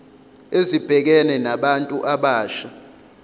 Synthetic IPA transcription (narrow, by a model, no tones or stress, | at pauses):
ezib̥ʱɛk̬ɛnɛnaɓantʼuʔaɓaːʃa